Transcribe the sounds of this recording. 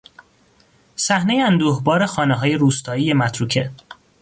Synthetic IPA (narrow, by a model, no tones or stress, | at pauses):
sæhne̞jeænd̪uːhbɒːɾe̞xɒːneɦɒːje̞ɾuːst̪ʰɒːije̞mæt̪ʰɾuːcʰe̞